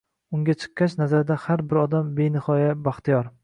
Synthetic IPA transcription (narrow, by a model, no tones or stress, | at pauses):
ʊŋɡʲat͡ʃʰɨ̥qːat͡ʃnazaɾd̪ahaɾbɪɾɒd̪ambenɪhɒjabaχt̪ʰijɒɾ